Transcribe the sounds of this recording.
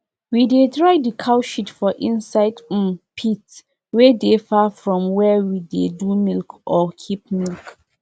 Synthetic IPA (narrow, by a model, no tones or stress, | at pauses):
widetɹaɪdikʰaʊʃitfɔʔĩnsaɪd̩̃npʰit | wedefafɹɔ̃mwɛwidedumilkʔɔkʰip̚milk